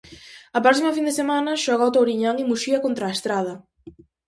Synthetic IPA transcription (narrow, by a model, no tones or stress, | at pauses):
ɐpɾɔsimɐfind̪esemanɐʃɔɣɔt̪owɾiɲaŋimuʃiɐkont̪ɾaest̪ɾað̞ɐ